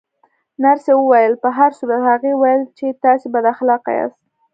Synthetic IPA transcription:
naɾsewəwajəlpəɦaɾsuɾat̪haɣewajəlt͡ʃet̪ɑsebad̪axlɑqa̰jɑ̰st̪̚

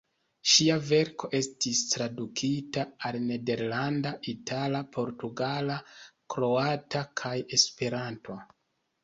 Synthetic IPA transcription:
ʃiave̞ɾko̞ʔe̞stistɾadukʰitaːlne̞de̞ɾlandaʔitʰalapʰo̞ɾtuɡalakɾo̞atakʰaje̞spe̞ɾanto̞

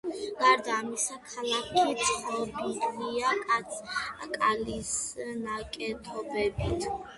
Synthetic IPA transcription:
ɡ̥aɾd̪aːmisakʰalakʰit̪sʰʼχɔbiɡʼliakʼat̪sʰkʼalisnakʼɛt̪ʰɔbɛbit̪ʰ

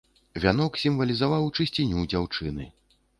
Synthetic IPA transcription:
vʲanɔksʲimvɐlʲizavawt͡ʂɨsʲt͡sʲinʲud͡zʲawt͡ʂɨnɨ

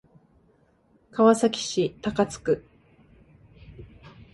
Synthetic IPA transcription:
kaβasakʲi̥ɕit̪akat͡sɨ̥kɯ̟

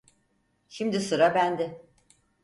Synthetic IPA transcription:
ʃimd̪isoɾabænd̪ɪ

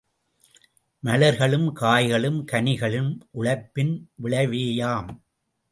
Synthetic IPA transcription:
mɐlɐɾɣɐɭɯmkaːjɣɐɭɯmkɐnɪɣɐɭɯmʔʊɭɐɪpːɪnʋɪɭɐɪʋeːjaːm

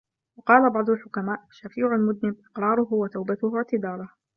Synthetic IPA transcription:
wɑqɑːlabɑʕd̪ˤʊlħʊkamaːʔʃafiːʕʊlmʊd̪nɪbʔɪqɾˤɑːɾˤʊɦʊwat̪awbat̪ʊhʊʕt̪ɪd̪ɑːɾˤɑh

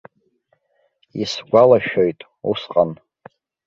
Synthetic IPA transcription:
isɡʷalaʃᶣojtʼ | usqʼan

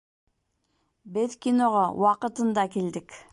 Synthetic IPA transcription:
beðkʲinoʁowɑqɯt̪ɯnd̪ɑkeld̪ɪk

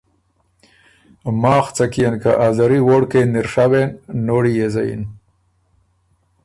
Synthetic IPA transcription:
mɑːxt͡sakijankaʔazaɾiwoɽkeniɾʂawenːoɽijezajḭn

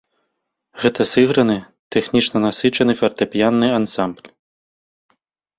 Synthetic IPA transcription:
ɣɛt̪ɐsɨɣɾɐnɨ | t̪ɛxnʲit͡ʂnɐnasɨt͡ʂɐnɨfʲɛrt̪ɐpʲjanːɨansamblʲ

